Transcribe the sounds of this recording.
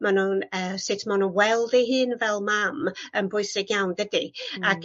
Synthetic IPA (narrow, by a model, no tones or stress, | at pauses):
manunəːsɪtʰmanuwɛlˠdɛɦɨːnvɛlˠmamənbʊɨsɪɡjawndədiaɡ